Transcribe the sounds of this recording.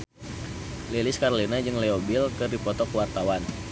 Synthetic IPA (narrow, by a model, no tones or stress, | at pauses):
lelɪskaɾolinad͡ʒɨŋlɛobɪlkədipɔt̪ɔkwart̪awan